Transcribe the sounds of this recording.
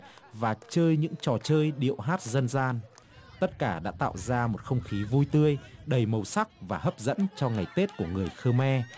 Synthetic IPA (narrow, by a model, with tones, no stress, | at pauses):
vaː˨˩t͡ɕəː˧jɲɨ̰˧˥ŋt͡ɕɔ˨˩t͡ɕəː˧jɗḭ˧˨əwɦaː˦˥t̚zə˧nzaː˧nt̪ə˦˥t̚kaː˧˩ɗa̰ː˧˥t̪a̰ː˧˨wzaː˧mo˨˩t̚xə˧wŋ͡mxi˨˦vu˧jt̪ɨ˧əjɗə˨˩jmə˨˩wsa˦˥k̚vaː˨˩ɦə˦˥p̚zə̰˧˥nt͡ɕɔ˧ŋa˨˩jt̪e˦˥t̚ku˧˩əŋɨ˨˩əjxəː˧mɛ˧